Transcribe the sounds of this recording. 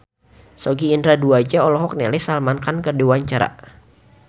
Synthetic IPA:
sɔɡiːndɾaduad͡ʒaɔlɔɦɔk̚nɛlɛsalmankankərdiwaɲt͡ʃaɾa̰

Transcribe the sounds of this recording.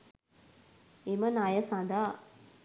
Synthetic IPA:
imɐnajɐsãd̪a

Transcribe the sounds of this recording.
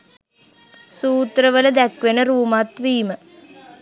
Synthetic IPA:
suːt̪rɐʋɐlɐd̪ɐkʋɐnɐɾuːmat̪ʋiːmɨ

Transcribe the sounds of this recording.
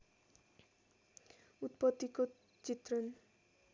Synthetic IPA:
ut̪pʌt̪ːiko | t͡ʃit̪rʌn

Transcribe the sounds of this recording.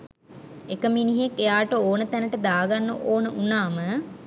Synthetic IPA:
ekəminiɦekːejaːʈəoːnət̪ænəʈəd̪aːɡanːəʔoːnəʔunaːmə

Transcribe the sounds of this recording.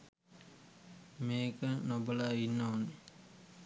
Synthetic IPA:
meːkənobəlainːaane

